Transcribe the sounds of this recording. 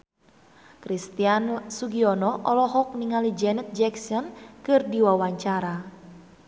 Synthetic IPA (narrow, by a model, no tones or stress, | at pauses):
kɾist̪iansuɡiɔnɔʔɔlɔɦɔk̚niŋalid͡ʒɛnɛt̪̚d͡ʒɛksɔnkɨrdiwawaɲt͡ʃaɾa